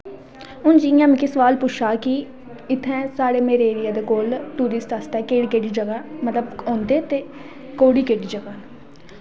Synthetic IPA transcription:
ʊnd͡ʒiːjãːmːkisəʋaːlpʊt͡ʃʰaːkɪ | ɪt̪ʰːɛ̃ːsaːɽeːmeːɾeːɾɪjaːd̪eːkoːlt̪uːɾɪsʈast̪ɛːkeːɽkeːɖiːd͡ʒəɡaːmət̪ləbõːnd̪eːt̪eː | koːɽiːkeːɖiːd͡ʒəɡaːn

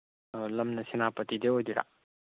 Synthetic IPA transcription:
lɐmnɐsinapɐtideojdiɾa̰

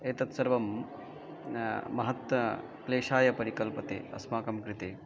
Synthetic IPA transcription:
eːt̪ɐt̪sɐɾʋɐm | mɐɦɐt̪wɐ | kleːʂaːjɐpɐɾikɐlpɐt̪ḛːɐ̰smaːkɐmkɾɪt̪eː

